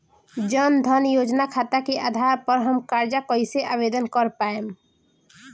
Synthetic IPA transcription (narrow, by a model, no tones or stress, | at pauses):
d͡ʒənd̪ʱənjoːd͡ʒnakʰaːt̪akeʔaːd̪ʱaːɾpəɾɦəmkaːɾd͡ʒakɔiseʔaːbeːd̪ənkəɾpaːem